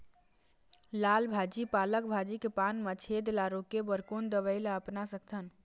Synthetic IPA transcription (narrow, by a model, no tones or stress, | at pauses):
lalbʱad͡ʒipaləkbʱad͡ʒikepanmət͡ʃʰed̪laɾokebəɾkond̪əʋəɪlaəpnasəkʰt̪ʰən